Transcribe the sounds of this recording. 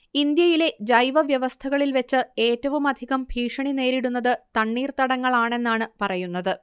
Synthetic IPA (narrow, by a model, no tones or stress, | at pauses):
ind̪jɐjile̞d͡ʑɐjʋɐʋjɐʋɐst̪ʰɐɣɐɭilʋet͡ɕːɨe̞ːtːɐʋumɐd̪ʱiɣɐmbʱiːʂɐɳine̞ːɾiɽunːɐðɨt̪ɐɳːiːrt̪ɐɽɐŋːɐɭaːɳe̞nːaːɳɨpɐrɐjunːɐðɨ